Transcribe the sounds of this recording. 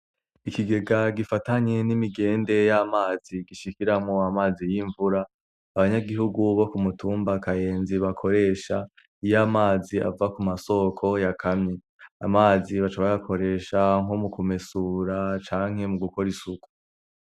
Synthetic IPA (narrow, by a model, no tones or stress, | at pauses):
ikiɡe̞ɡaɡifataɲe̞nimiɡe̞ːnde̞jamaːz̥iɡiʃikiɾamŋo̞amaːzijiɱvuɾaː | βaɲaɡiɦuɡuβo̞kumutuːmbakaje̞ːnziβakʰo̞ɾe̞ːʃa | ijamaːzia̰vakumaso̞kʰo̞jakʰamɲe | a̰maːziβat͡ʃaβajakʰo̞ɾe̞ːʃaŋomukumesuːɾat͡ʃaːŋ̥he̞muɡuko̞ɾisuku̥